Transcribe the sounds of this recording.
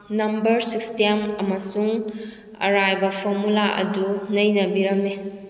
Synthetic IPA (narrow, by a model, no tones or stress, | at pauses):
nɐmbɐɾsikstemɐmɐsuŋ | ɐ̰ɾajbɐpʰoɾmulaʔɐ̰dunɐjnɐbiɾɐme